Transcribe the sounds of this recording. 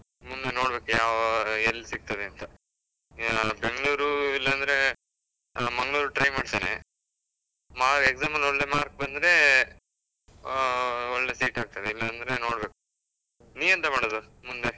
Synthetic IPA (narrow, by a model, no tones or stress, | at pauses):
mund̪eno̞ːɽbe̞ːkujaːʋelːsiɡ̚t̪ɐd̪eɐnt̪ɐ | beŋɡɭuːɾuilːɐːnd̪ɾe̞ | mɐŋɡɭuːɾuʈɾɐjmaːɖt̪aːnḛ | maːɾkeɡzaːmɐlɔɭːe̞maːɾk̚bɐnd̪ɾe̞ | ɔɭːe̞siːʈaːɡ̚t̪ɐd̪eilːɐːnd̪ɾe̞no̞ːɽbe̞ːku | niːʋɐnt̪ɐmaːɽod̪u | mund̪e